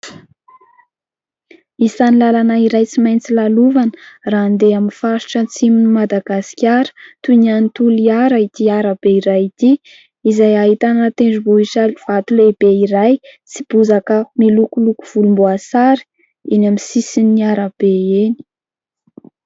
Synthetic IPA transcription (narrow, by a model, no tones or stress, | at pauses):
isanilalanaiɾajt͡simajnt͡silaluvanə̥raːnd̪eaminfaɾi̥ʈ͡ʂət͡siminimad̪aɡaskʲaɾə̥t̪unanit̪uliaɾait̪iaɾabeiɾajit̪i | izajaɦit̪anat̪eɳɖ͡ʐuboisaliv̥at̪ulebeiɾajt͡si̥b̥uzakəmilukuluku̥v̥ulumboasaɾi̥ | inamisisinːiaɾab̥eeni̥